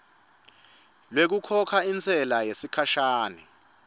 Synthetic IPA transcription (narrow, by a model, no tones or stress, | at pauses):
lwek̬ukʰɔkʰaint͡sʼɛlajesikʰaʃaːnɛ